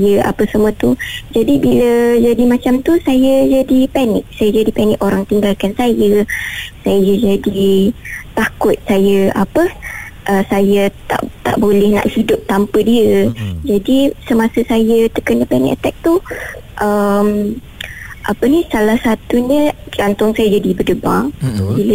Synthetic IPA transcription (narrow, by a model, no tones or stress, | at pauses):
jəʔa̰pəsəmət̪ud͡ʒadibiləd͡ʒadimãt͡ʃamt̪usajəd͡ʒadipɛnɪk̚sajad͡ʒadipɛnɪkoɾaŋt̪iŋɡalkansajəsajəjəd͡ʒadi | t̪akʊt̪̚sajəapəʔəsajət̪a̰ʔt̪a̰ʔbolɛhna̰ʔhidʊp̚t̪ampədiəd͡ʒadisəmasəsajət̪əkəndəpɛnɪ̰kət̪ɛk̚t̪uʔəm | ʔapənisalahsat̪uɲə̃d͡ʒant̪ʊŋsajad͡ʒadibədəba̰ŋbilə